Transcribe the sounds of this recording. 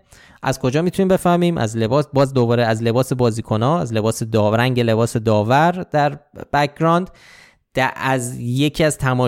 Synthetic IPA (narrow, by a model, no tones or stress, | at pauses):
ʔæ̰zkʰo̞d͡ʒɒːmit̪ʰuniːmbefæmiːmʔæ̰zle̞bɒːsbɒːzd̪o̞bɒːɾeæzle̞bɒːse̞bɒːziːkʰo̞nɒːæzle̞bɒːse̞d̪ɒːɾæŋɟe̞le̞bɒːse̞d̪ɒːvæɾd̪æɾb̥æcʰɡɾɒːnd̪̥ | d̪̥ææzje̞cʰiæz̥t̪ʰæmɒː